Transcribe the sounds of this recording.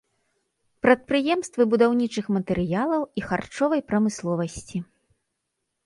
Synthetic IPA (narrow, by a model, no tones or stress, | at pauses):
pɾɐt̪̚pɾɨjɛmst̪vɨbud̪awnʲit͡ʂɨxmɐt̪ɛɾɨjalˠɐwixart͡ʂɔvɐjpɾɐmɨslˠɔvɐsʲt͡sʲi